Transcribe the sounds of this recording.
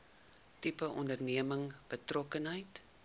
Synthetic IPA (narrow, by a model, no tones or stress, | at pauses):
tipəʔɔndərniəməŋb̥ətrɔkənɦəjt